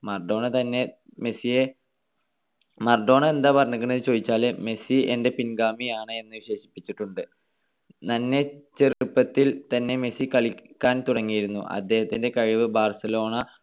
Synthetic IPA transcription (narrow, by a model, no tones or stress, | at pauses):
mɐrɖo̞ːɳɐt̪ɐnːe̞ | mesije | mɐrɖo̞ːɳɐe̞nd̪aːpɐrnːɐkːɐɳiðt͡ɕo̞ːðit͡ɕːaːleme̞sie̞nde̞pinɡaːmijaːɳɨe̞nːɨʋiɕe̞ːɕi̥pːit͡ɕːiʈːuɳɖɨ | nɐnːe̞t͡ɕerupːɐt̪ːilt̪ɐnːe̞me̞sikɐɭikʲːaːnt̪uɽɐŋːijiɾunːṵʔɐ̰d̪ːe̞ːhɐt̪ːinde̞kɐɻiʋɨbaːrsɐlo̞ːɳɐ